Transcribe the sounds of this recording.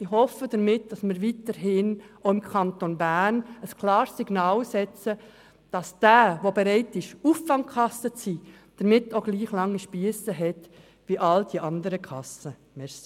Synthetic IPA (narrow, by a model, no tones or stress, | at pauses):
ihɔfːəd̥əɾmɪt̚d̥ɑsməɾʋitəɾɦɪnoʊɪmkʰɑntonbæːnəskʰlɑːɾsːiɡnɑːlsɛt͡sə | d̥ɑsd̥æːʋobeɾɛɪtɪʃuːfɑŋkʰχɑsːət͡siː | d̥əɾmɪtːoɡ̥liːχlɑŋːiʃpiəsəɦɛt | ʋiʔɑld̥iʔɑndəɾəkʰɑsə | mɛs